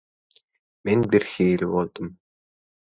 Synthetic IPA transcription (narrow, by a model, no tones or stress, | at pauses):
minʲbirxiːlʲwɔlt̪ə̆m